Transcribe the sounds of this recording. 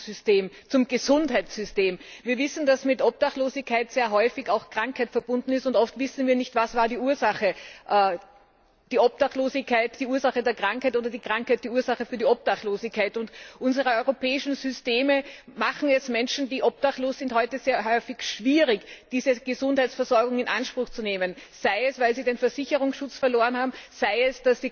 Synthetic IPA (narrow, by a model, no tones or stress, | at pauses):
z̥ʏsteːm | t͡sʊmɡ̥əzʊnthɦaɪtt͡ssz̥ʏsteːmviːɐvɪsn̩d̥asmɪtʔɔp̚taχloːzɪçkʰːaɪtz̥eːɐɦɔʏfɪçaʊxkʁ̥aŋkhaɪtfɛɐb̥ʊndn̩ɪstʊntɔftv̥ɪsn̩viːɐnɪçtv̥asvaːɐdiːuːɐzaχəʔː | d̥iːʔɔp̚d̥aχtloːzɪçkʰːaɪt̚d̥iːuːɐzaχədeːɐkʁ̥aŋkhaɪtoːdɐdiːkʁ̥aŋkhaɪt̚d̥iːuːɐzaχəfyːɐdiɔp̚td̥aχtloːzɪçkʰːaɪtʊntʔʊnzəʁəɔʏʁopɛːɪʃn̩zʏsteːməmaχn̩ɛsmɛnʃn̩diːʔɔp̚taχtloːszɪnthɔʏtəzeːɐɦɔʏfɪçʃv̥iːʁɪçd̥iːzəɡ̥əzʊ̃nthaɪtt͡sfɛɐzɔɐɡʊŋɪnʔa̰nʃpʁ̥ʊxt͡suneːmənsæɪɛsv̥aɪlziːdeːnfɛɐzɪçəʁ̞ʊŋsʃʊt͡sfɐloːʁənhaːbm̩z̥aɪɛsd̥asd̥i